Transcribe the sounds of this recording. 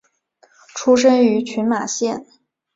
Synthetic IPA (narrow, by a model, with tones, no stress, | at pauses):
ʈ͡ʂʰu˥ʂ̬ə˥ŋy˧˥t͡ɕʰy˧˥nma˨˩ɕjɛ˥˩n